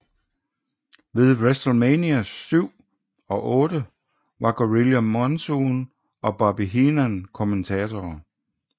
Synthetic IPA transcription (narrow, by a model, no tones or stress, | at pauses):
ʋe̝ðˠʋesd̥l̩meniæsyʊ̰ | ɒ̽ʔɔ̽ːɾ̥ə | ʋɑ̈ɡ̥oʁiljæmɒnson | ɒ̽b̥ɑ̈b̥iɦinænkʰo̝ment͡sʰɛːt͡sʰɒː